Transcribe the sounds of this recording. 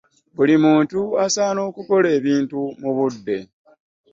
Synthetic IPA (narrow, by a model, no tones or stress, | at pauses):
βulimuːntuasaːno̞ːkuko̞le̞ːβiːntumuβudːe̞̰